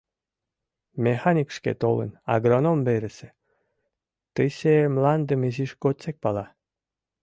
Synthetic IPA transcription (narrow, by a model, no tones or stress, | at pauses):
mʲexanʲikʃkḛt̪olə̰̆nɑ̰ɡronombeɾɘ̆sĕ̥ | t̪əɕemlɑnd̪ə̆meʑiʃɡot͡sek̚pɑlɑ